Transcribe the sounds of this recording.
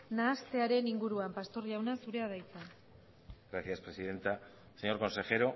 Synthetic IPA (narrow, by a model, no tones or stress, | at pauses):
naːst̪e̞aɾe̞niŋɡuɾuampast̪o̞rʎawnasuɾe̞að̞ajt͡san | ɡ̥ɾaθjaspɾesiðe̞nt̪a | seɲo̞ɾko̞nse̞xe̞ɾo̞